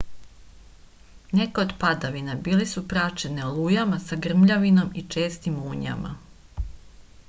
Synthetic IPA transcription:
nekeo̞d̪pad̪aʋinabiːlesupɾat͡ʃe̞nelˠuːjamasaɡr̩mʎaʋino̞mit͡ʃe̞ːst̪imuːɲa̰ma̰

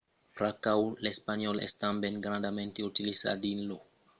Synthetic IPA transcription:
pɾakawlespaniolest̪ambenɡɾand̪ament̪eut̪iliza̰dinlo

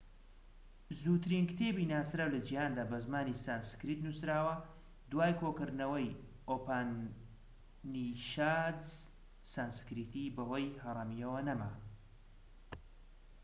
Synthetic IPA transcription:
zuːt̪ʰɨɾinkt̪ʰeːbiːnaːsɾaːwlɐd͡ʒijaːnd̪aːbɐzmaːnisanskɾit̪nusɾaːwɐ | d̪waːjkʰoːkɨɾnɐwɐj | ʔoːpan | niʃaːd̪ | sanskɾiːt̪iːbɐɦojhɐrˤɐmijɐwɐnɐma

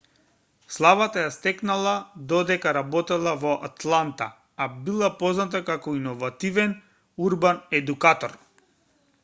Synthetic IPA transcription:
slˠavat̪ajast̪ɛknalˠad̪ɔd̪ɛkaɾabɔt̪ɛlˠavɔʔat̪lˠant̪a̰ | abilˠapɔznat̪̬akakɔinɔvat̪ivɛn | uɾbanɛd̪ukat̪ɔɾ

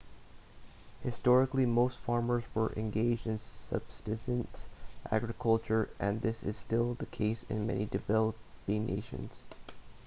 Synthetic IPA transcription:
hɨstɔɹɨklimoʊstfɑɹmə˞zwə̰˞ʔɨ̰̃nɡeɪd͡ʒdɨ̃nsʌ̰b̥stɨtɨ̃ntʔæ̰ɡɹɨkʰʌlˠt͡ʃə˞ʔɨ̃nðɪsɨ̰z̥stɪlˠðɨkʰeɪsɪ̰̃nmɛ̰nidɨvɛlˠəpinʔḛɪʃɨ̰̃nz̥

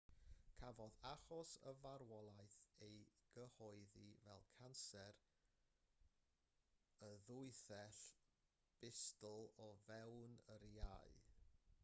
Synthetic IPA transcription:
kʰavɔðaχɔsə̰vaɾwɔlˠaɨθejɡ̥əhɔɨðivɛ̰lˠkʰansɛɾ | əðʊɨθɛɬ | b̥ɪstlˠɔvɛwnəɾia̰ɨ

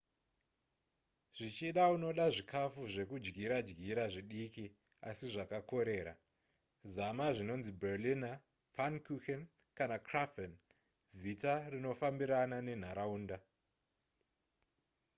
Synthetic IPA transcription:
ʐ̥it͡ʃiɗauno̞ɗaʐikʰafuʐe̞kud͡ʒɡiɾad͡ʒɡiɾaʐiɗiki | asiʐakako̞ɾe̞ːɾa | zamaʐino̞nziberlina | fankuken | kanakrafen | zitarino̞fambiɾanane̞n̤aɾauːnda

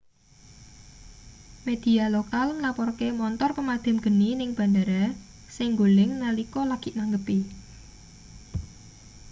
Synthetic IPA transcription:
med̪̥i̤alokalŋlapɔrkemɔnt̪ɔrpəmad̪̥a̤mɡ̥ə̤ninɪŋb̥a̤ndaɾa | sɪŋɡolɪŋːalikɔlaɡ̥i̤ʔnaŋɡəpi

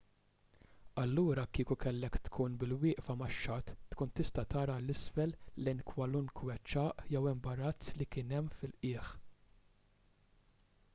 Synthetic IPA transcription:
ɐlːuːɾɐkiːkukɛlːɛkt̪kʰuːnbɪlwɪːʔfɐmɐʃːɐt̪ːkuːnt̪ɪst̪ɐt̪ɐːɾɐlːɪsfɛlːɛjnkʰwɐlunkwɛt͡ʃːɐːʔjɛwɛmbɐɾɐt͡slikɪːnɛmːfɪlʔɪːħ

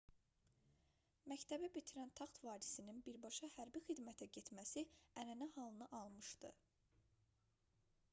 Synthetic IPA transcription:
mæct̪ʰæbæbit̪ʰiɾænt̪ʰɑχt̪vɑːɾisininbiɾbɑʃɑhæɾbixid̪mæt̪ʰæɟe̞t̪mæsiænænæhɑlˠɯnɯʔɑlˠmɯʃd̪ɯ̰

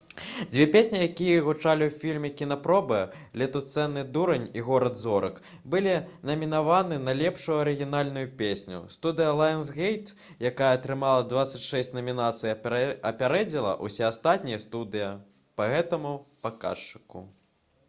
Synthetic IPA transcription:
d͡zʲvʲɛpʲesʲnʲijakʲijɐɣut͡ʂalʲiwfʲilʲmʲɛkʲin̪ɐpɾɔbɨlʲɛt̪ut̪sɛnːɨd̪uɾɐnʲiɣɔɾɐd̪zɔɾɨk | bɨlʲinɐmʲin̪avanɨnɐlʲɛpʂujuɐɾɨɣʲin̪alʲnujupʲesʲnʲṵst̪ud̪ɨjɐlˠajnsɣɛjt̪ | jakajɐt̪ɾɨmalˠɐd̪vat̪sɐt͡sʲʂɛsʲt͡sʲnɐmʲinat̪sɨjiɐpʲaɾɛd͡zʲilˠɐ̰ʔusʲɛast̪at̪̚ʲnʲijɐst̪ud̪ɨjɐ | pɐɣɛt̪ɐmupɐka̰ʂt͡ʂɨ̥kṵ

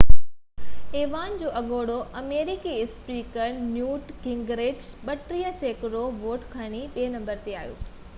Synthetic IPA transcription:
eːʋaːnd͡ʑoːʔɐɠoːɽoʔɐmeːɾikiɪspiːkəɾnjuːʈkɪ̃ŋɡɾeːd͡ʑɓɐʈɾiːəseːkɾoʋoːʈkʰɐɽ̃iɓeːnɐ̃mbəɾt̪eaːɦijo̰ː

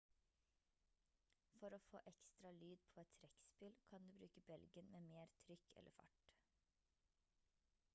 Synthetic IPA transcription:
fɔɾoːfo̰ːʔɛkst̪ɾɑlyːd̪̚pʰoːɛt̪ʰɾɛkspɪlkʰɑnd̪ʉːbɾʉːkəbɛlɡənmeːmeːɾt̪ʰɾʏkʰɛ̰lʔə̰fɑ̰ʈ

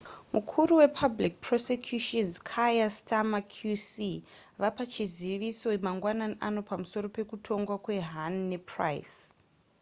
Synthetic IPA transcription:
mukʰuɾuwe̞pʰablik̚prosekʰjuʃonzkʰajastamakʰjusi | ʋapat͡ʃiziʋiso̞maŋɡwananiʔano̞pamuso̞ɾo̞pe̞kutʰo̞ŋɡwakwe̞ɦanːepʰra̰js

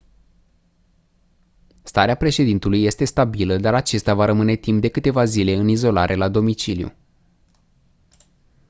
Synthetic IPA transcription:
st̪aɾeapɾe̞ʃe̞d̪int̪ulujːe̞st̪e̞st̪abiləd̪aɾat͡ʃe̞st̪avaɾəmɨne̞t̪imp̚d̪e̞kɨt̪e̞vazile̞ɨnizo̞laɾʔe̞lad̪o̞mit͡ʃilijṵ

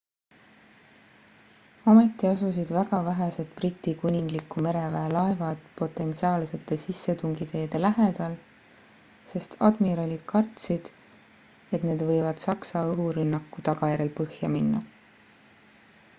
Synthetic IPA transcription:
ɑme̞t̪ˑːiɑsus̬id̪væɡ̥ɑvæɦese̞t̪̚prit̪ʲːˑikunʲiŋɡlikːume̞ɾe̞væelɑe̞vɑd̪̥po̞t̪ːˑe̞nt̪siɑːlse̞t̪ːˑe̞sisːe̞t̪uŋɡit̪e̞ːd̪̥e̞læɦe̞d̪̥ɑl | se̞st̪ʰɑ̰d̪̥miɾɑlʲid̪̥kʰɑrt̪sid̪̥ | e̞t̪ne̞ːd̪vɤ̞jvɑd̪̥sɑksɑɤɦuɾynːɑkːˑut̪ɑɡ̥ɑjæɾe̞lpɤhjɑminːɑ

